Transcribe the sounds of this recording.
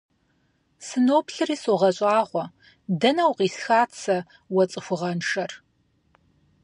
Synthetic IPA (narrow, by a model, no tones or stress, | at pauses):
sɨnoːpʰɬɨriːsoːʁɐɕʼaːʁʷɔ | dɐnɐwqiːsxaːt͡sʰɐ | wɐt͡sʼɨxʷʊʁɐnʂɐr